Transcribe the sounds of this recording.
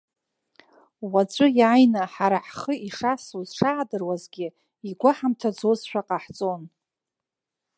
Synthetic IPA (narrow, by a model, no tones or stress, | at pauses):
wat͡sʷʼʊjajnaħaɾaħχəʔiʂasuzʂaːdɨrwazɡʲɪ | iɡʷaħamtʰad͡zozʃʷᶣaqʼaħt͡sʼon